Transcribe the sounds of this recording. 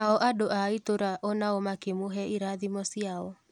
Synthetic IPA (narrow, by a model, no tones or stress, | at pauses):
aɔʔadoʔaitoɾaʔɔnaomakemoɦɛiɾaðimɔsiaɔ